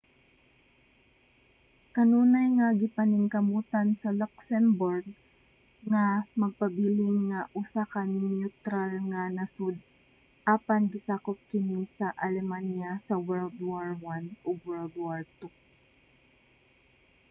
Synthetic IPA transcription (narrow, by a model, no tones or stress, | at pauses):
kɐnuːnajŋaɡɪpɐnɪŋkɐmuːt̪ansɐlɔksɛmbɔɹɡ̚ | ŋamɐɡ̚pɐbiːlɪŋːaʔʊsakannut̪ɾalŋanɐsʊd̪̚ | ʔaːpaŋɡɪsaːkʊp̚kɪnisɐʔalɛmanjasɐwɛɹld̪waɹwanʔʊɡwɛɹld̪waɹt̪u